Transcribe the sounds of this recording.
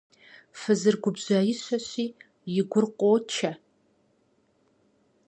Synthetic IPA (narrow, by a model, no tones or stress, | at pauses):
fɨzɨrɡʷʊbʑaːjɪɕʷɐɕiː | jɪɡʷʊrqʷʼoːt͡ʃʰɐ